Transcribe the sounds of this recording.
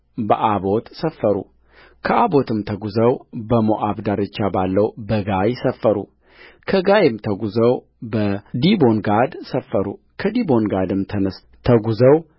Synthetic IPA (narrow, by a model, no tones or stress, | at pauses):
bəʔabo̞t̪səfːəɾṵ | kʰəabo̞t̪ʰɨmt̪ʰəɡuzəwbəmoʔabd̪aɾɨt͡ʃːabalːəwbəɡajsəfːəɾṵ | kʰəɡajɪmt̪ʰəɡuzəw | bəd̪ibo̞nɡad̪səfːəɾṵ | kʰəd̪ibonɡad̪ɨmt̪ʰənə | t̪ʰəɡuzəw